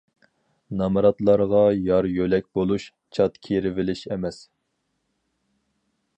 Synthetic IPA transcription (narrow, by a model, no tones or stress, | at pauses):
nɑmɨɾɑt̪lˠɑɾʁɑjɑɾjølɛk̚ʲbolˠuʃ | t͡ʃʰɑt̪kʲʰeɾɪvɪlɪʃɛmɛs